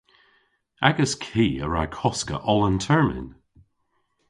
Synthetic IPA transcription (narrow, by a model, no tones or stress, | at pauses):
aɡəskʰiːə̰ɹa̰kʰɔskə̰ʔɔləntʰɛɹmɪ̰n